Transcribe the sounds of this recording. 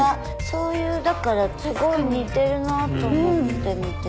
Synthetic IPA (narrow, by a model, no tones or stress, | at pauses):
a | so̞ːjɯːd̪akaɾat͡sɨɡo̞iɲ̟iːt̪e̞ɾɯ̟nat̪o̞ːmot̪ːemʲit̪e